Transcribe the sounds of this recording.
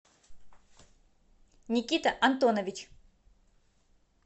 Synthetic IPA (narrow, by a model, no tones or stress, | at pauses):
nʲɪkʲit̪əʔɐnt̪onəvʲɪt͡ʃ